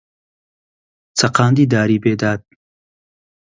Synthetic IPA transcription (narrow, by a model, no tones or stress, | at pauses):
t͡sʰɐqaːnd̪iːd̪aːɾiːbeːd̪aːt̪̚